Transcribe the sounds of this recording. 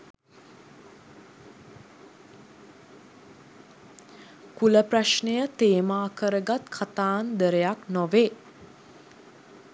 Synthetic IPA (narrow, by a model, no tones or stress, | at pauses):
kuləpraʃɳəjət̪eːmaːkəɾəɡat̪kʰat̪aːnd̪əɾəjaknɔʋeː